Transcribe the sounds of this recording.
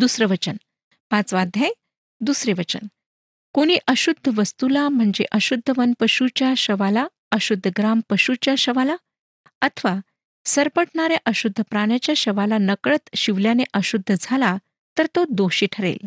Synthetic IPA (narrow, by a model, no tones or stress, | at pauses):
d̪usɾəʋət͡ɕən | pãt͡sʋad̪ʱːjẽ | d̪usɾeʋət͡ɕə̰n | koɽ̃iːʔəɕud̪ʱːəʋəst̪ulam̤əɳd͡zeʔəɕud̪ʱːəʋənpəɕut͡ɕjaɕəʋala | əɕud̪ʱːəɡɾampəɕut͡ɕjaɕəʋala | ət̪ʰəʋa | səɾpəʈɳaɾjaʔəɕud̪ʱːəpɾaɽ̃jat͡ɕjaɕəʋalanəkɭət̪ɕiʋljaneʔəɕud̪ʱːəd͡zʱala | t̪əɾt̪od̪oɕiːʈʰəɾḛl